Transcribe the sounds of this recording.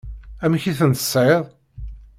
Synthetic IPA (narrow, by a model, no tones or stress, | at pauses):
æmçiθənt̪ə̥sˤːʕeðˤ